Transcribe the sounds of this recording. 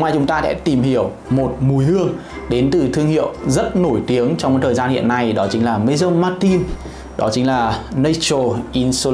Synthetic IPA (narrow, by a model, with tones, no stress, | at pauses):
ŋ͡maː˨˩jt͡ɕʊ˨˦ŋ͡mt̪aː˧sɛ̰˧˥t̪i˨˩mhi˧˩əw | mo˨˩t̚mu˨˦jhɨ˧əŋ | ɗe˨˦nt̪ɨ˨˩t̪ʰɨ˧əŋhḭ˧˨əwzə˦˥t̚no˧˩jt̪i˨˦əŋt͡ɕɔ˧ŋ͡mt̪ʰəː˨˩zaː˧nhḭ˧˨ənːa˧jɗɔ˨˦t͡ɕï˨˦ŋ̟laː˨˩mə˨˧˦jzə˧mːaː˧t̪i˧n | ɗɔ˨˦t͡ɕï˨˦ŋ̟laː˨˩nə˧t͡ɕo˨˩ʔi˧nso˧